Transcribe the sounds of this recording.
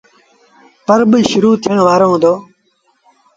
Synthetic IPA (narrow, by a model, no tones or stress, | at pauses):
pəɾbəʃʊɾuːt̪ʰɪjəɳʋaːɾõːɦõːd̪oː